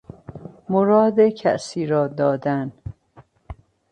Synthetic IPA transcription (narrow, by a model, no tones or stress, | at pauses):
moɾɒːd̪ecʰæ̰ʔsiːɾɒːd̪ɒːd̪æn